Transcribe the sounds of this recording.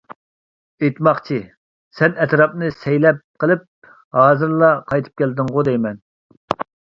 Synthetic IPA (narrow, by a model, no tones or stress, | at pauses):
et̪mɑχt͡ʃʰi | sɛnɛt̪ɾɑpnɨsɛjlɛp̚qʰəlˠɨp̚ | hɑːzɨɾlˠɑqʰɑjt̪ʰɨ̥p̚kʲʰɛld̪ɨŋʁʊd̪ɛjmɛn